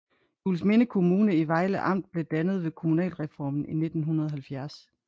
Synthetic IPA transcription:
juːlsme̝nəkʰo̝muːnəiʋɑ̈ɪləʔɑ̈m̰d̥̚b̥le̝d̥ænəð̞̩ˠʋe̝kʰo̝munɛ̰ːlʁɛfɒ̰ːmn̩ine̝d̥n̩ɦunɐð̞ˠɦælfjæɐs

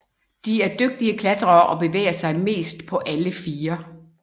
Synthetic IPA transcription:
d̥iæɐd̥øɡ̥̚d̥iəkʰlæd̥ʁɐːʔɒ̽b̥e̝ʋḛːɐsɑ̈ɪme̝̰ːsd̥pʰɒ̽ʔæləfiːɐ

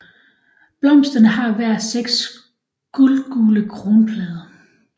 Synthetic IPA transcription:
b̥lɒ̽m̰sd̥ənəhɑ̈ʋæɐ̰seɡ̥s | ɡ̥ulɡ̥uːləkʰʁo̝ːnpʰlɛːð̞ˠɐ

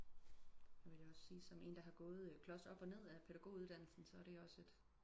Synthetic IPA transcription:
jæʋe̝ljɒ̽ssiːsɒ̽me̝̰ːnd̥æ̈ɦɑ̈ɡ̥ɔ̽ːð̞̩ˠkʰlɒ̽sɒ̽b̥ɒ̽ne̝ð̞̰ˠæpʰe̝ɾ̥æɡ̥o̝̰ːuðˠd̥æn̰l̩sn̩sɒ̽æɐɾe̝ɒ̽se̝d̥

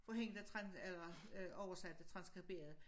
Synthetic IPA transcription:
fɒ̽ɦeŋ̰d̥̩ˠæt͡sʰʁɑnelɐʔɒʊɐsæd̥æt͡sʰʁɑ̈nsɡ̥ʁib̥e̝̰ːɐð̞̩ˠ

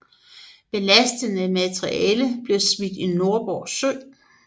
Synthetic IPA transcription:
b̥e̝læsd̥ənəmæt͡sʰʁiɛɛːləb̥le̝smid̥ino̝ɐb̥ɒ̰ːsø̰

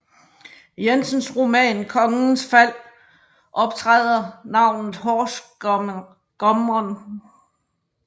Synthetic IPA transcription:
jensənsʁomɛ̰ːnkʰɒ̽ŋn̩sfæl̰ | ʔɒ̽b̥̚t͡sʰʁɛð̰ˠɐnɑ̈ʊ̰nð̩ˠɦɒːs | ɡ̥ɒmɒn

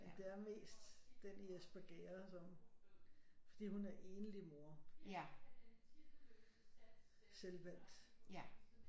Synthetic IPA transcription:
mend̥e̝æɐme̝̰ːsd̥d̥eniesb̥æɡ̥ḛːɐsɒ̽m | fɒ̽d̥ḭːhunæɐʔe̝ːnəlimo̝ɐ̰ | selʋæl̰d̥

